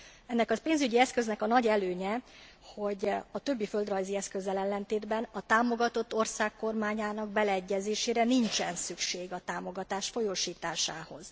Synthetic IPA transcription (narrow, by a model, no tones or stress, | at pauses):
ɛnːɛkɒpeːnzyɟiɛskø̞znɛkɒnɒɟɛløːɲɛ | ho̞ɟɒt̪ø̞bːiføld̪rɒjziɛskø̞zːɛlɛlːɛnt̪eːd̪bɛnɒt̪aːmo̞ɡɒt̪o̞t̪ːo̞rsaːkːo̞rmaːɲaːnɒɡbɛlɛːɟːɛzeːʃeːɾɛnint͡ʃɛnsykʃeːɡɒt̪aːmo̞ɡɒt̪aːʃfo̞joːʃiːt̪aːʃaːho̞z̥